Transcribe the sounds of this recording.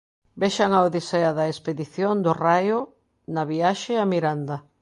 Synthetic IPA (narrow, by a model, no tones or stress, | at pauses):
beʃaŋawðiseaðɐespeðiθjond̪ʊrajʊ | naβiaʃɪamiɾand̪ɐ